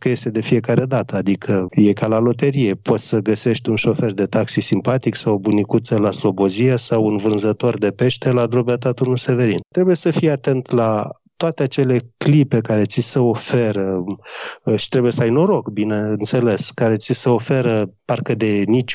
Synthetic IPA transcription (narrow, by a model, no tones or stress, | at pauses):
kəje̞st̪e̞d̪e̞fie̞kaɾe̞d̪at̪əad̪ikʰəje̞kalalo̞t̪eɾije̞pʰo̞t̪ʲsəɡəse̞ʃt̪ʲunʃo̞fe̞rd̪e̞t̪aksisimpat̪iksawobunikut̪səlaslo̞bo̞zijasawunvɨnzət̪o̞rd̪e̞pe̞ʃt̪e̞lad̪ɾobat̪at̪urnuse̞ve̞ɾint̪ɾe̞buje̞səfijeat̪e̞nt̪la | t̪oat̪eat͡ʃe̞le̞klipe̞kaɾe̞t̪sisəofe̞ɾə | ʃi̥t̪ɾe̞buje̞səajno̞ɾo̞kbineɨnt̪se̞le̞skaɾe̞t̪sisəo̞fe̞ɾəparkəd̪e̞nit͡ʃʲ